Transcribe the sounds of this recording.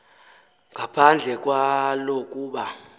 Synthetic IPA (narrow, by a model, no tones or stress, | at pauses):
ŋɡʱapʰand͡ɮʱɛk̬ʼwalokʼuːɓa